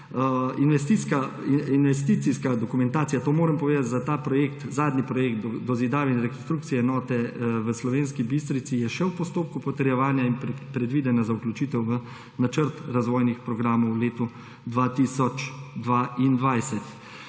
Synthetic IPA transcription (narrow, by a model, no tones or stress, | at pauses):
inʋɛst̪iska | inʋɛst̪iːt̪siskad̪ɔkumɛnt̪aːtsijat̪oːmoːɾɛmpɔʋeːd̪at̪ʲzat̪aːpɾɔjeːkt̪zaːd̪nipɾɔjeːk̚t̪d̪ɔzid̪aːʋɛinɾɛkɔnst̪ɾuːkt̪sijɛɛnɔːt̪ɛʋəslɔʋeːnskibist̪ɾisijɛʃɛwpɔst̪oːp̚kupɔt̪ɛɾjɛʋaːnjaimppɾɛd̪ʋiːd̪ɛnjazauklʲut͡ʃit̪ɛwʋə | nat͡ʃəɾt̪ɾazʋɔːjnixpɾɔɡɾaːmɔwleːt̪u | d̪ʋaːt̪isɔt͡ʃd̪ʋaːind̪ʋajsɛt̪